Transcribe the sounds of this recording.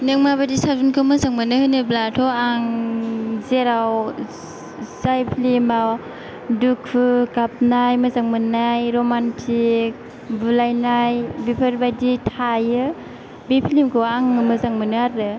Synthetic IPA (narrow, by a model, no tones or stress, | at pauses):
neŋmabadisazunkʰɯmɯzaŋmanɯhɯnɯblatʰɔaŋ | zeɾaw | sajpʰlimaw | dukʰɯkap̚najmɯzaŋmɯnajɾomantʰik̚ | bulajnajbipʰaɾbaditʰajɯ | bipʰlimkʰɯaŋɯmɯzaŋmɯnɯaɾɯ